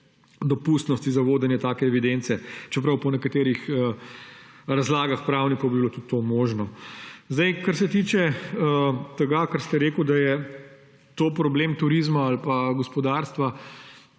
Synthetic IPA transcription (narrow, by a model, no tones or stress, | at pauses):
d̪ɔpuːst̪nɔst̪izaʋoːd̪ɛnjɛt̪aːkɛːʋid̪ent̪sɛt͡ʃɛp̬ɾɐwpɔnɛkat̪eːɾixə | ɾazlaːɡaxpɾaːwnikɔwbibilot̪ut̪ːomoːʒnɔzd̪ɐjkaɾsɛt̪iːt͡ʃɛ | t̪ɛɡakaɾst̪ɛɾeːkud̪ajɛ | t̪oːpɾɔbleːmt̪uɾiːzmaːlpaɡɔspɔd̪aɾst̪ʋa